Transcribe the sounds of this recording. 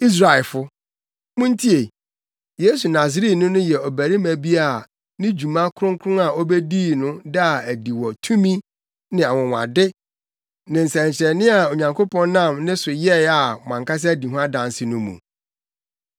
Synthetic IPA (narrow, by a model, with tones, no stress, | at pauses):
i˦s̬ɾa˨ɪ˨fʊ˦ | mʊ̃˦n˦tʰi˦e˨ | je˦su˨na˨s̬ɪ˨ɾi˦tnʊ̃˦nʊ̃˦jɛ˨ɔ˨bæ˨ɾi˦mæ̃˨bi˦a˨ | nɪ̃˦d͡ʑu˨mã˦kʰʊ˦ɾʊ̃˦ŋ˦kʰʊ˦ʊ̃˦a˨ɔ˦be˦diː˦˨nʊ̃˦da˦˨æ˨di˨wɔ˨tʰũ˦mĩ˦ | nɪ̃˨a˨wʊ̃˨wã̰˨dɪ˦ | nɪ̃˨n̩˨sɛ̃˨ɲt͡ɕʰɪɾɛ˨nɪ̃˦a˨o˨ɲã˨ŋkʰo˦pɔ̃˦n˦nã˦˨mnɪ̃˦sʊ˨jɛ˦˨a˨ɔ˨mã˨ŋka˦s̬ɛ˦æ˦di˨ɦʊ̃˦a˦dã˨n˦sɪ˦nʊ̃˦mṵ̃˨